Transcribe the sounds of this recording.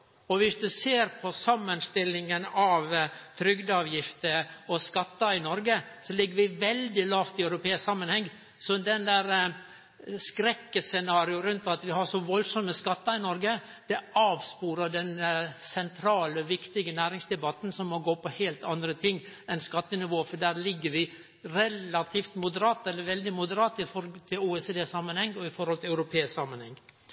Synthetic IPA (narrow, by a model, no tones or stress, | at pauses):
ɔʋɪsd̪ʉseːɾpʰɔsɑmːənst̪ɪlːɪŋənɑʋt̪ʰɾʏɡd̪ɑʋjɪft̪əɔskɑt̪ːɑɪnɔɾɡəsɔlɪɡːəɾʋɪʋɛld̪ɪlɑːft̪ɪœʉɾʊpʰeːɪsksɑmːənhɛŋː | sɔd̪ɛnd̪æːɾə | skɾɛkːəsɛnɑːɾɪʊɾʉnt̪ɑt̪ʋɪhɑɾʂɔʋɔlsɔmːəskɑt̪ːɑɾɪnɔɾɡə | d̪̥ɛɑːʋspuːɾəɖɛnsɛnt̪ʰɾɑːləʋɪkt̪ɪɡənæːɾɪŋsd̪ɛbɑt̪n̩sɔmmːɔɡoːpʰɔheːlt̪ɑnd̪ɾət̪ʰɪŋːɛnskɑt̪ːənɪʋoːfɔɖæːɾlɪɡːəɾʋɪ | ɾɛlɑt̪ʰiːft̪mʊd̪əɾɑːt̪ɛlːəɾʋɛld̪ɪmʊd̪əɾɑːt̪ɪfɔɾt̪ʰɪluːɛsed̪eːsɑmːənhɛŋːɔɪfɔɾhɔlt̪ʰɪlɑʉɾʊpʰeːɪsksɑmːənhɛŋː